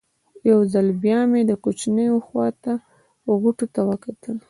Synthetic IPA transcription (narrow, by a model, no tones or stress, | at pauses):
jawzalbjɑmed̪əkot͡ʃnəjoxwɑt̪a | ɣuʈot̪awəkat̪əl